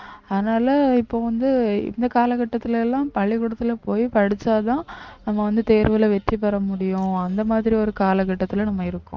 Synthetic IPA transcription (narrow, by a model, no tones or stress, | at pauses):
ɐðɐnaːlɐɪpːoːʋɐnd̪ɯɪ̰nd̪ɐkaːlɐkɐʈːɐt̪ːɪlɛlːãːpɐɭːɪkʊɽɐt̪ːɪlɐpoːjpɐɽɪt͡ʃːaːt̪ãːnɐmːɐʋɐnd̪ɯt̪eːɾʋɐɪlɐʋɛʈripɐɾɐmʊɽɪjʊ̃ɐnd̪ɐmaːðɪɾiɔɾɯkaːlɐkɐʈːɐt̪ːɪlɐnɐmːɐɪɾɯkːʊ̰̃